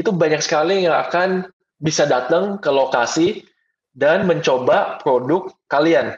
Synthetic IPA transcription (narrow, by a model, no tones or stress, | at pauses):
it̪ubaɲak̚sə̥kalijaŋa̰kan | bisadat̪əŋkəlokasi | danməɲt͡ʃobapɾodʊkːalian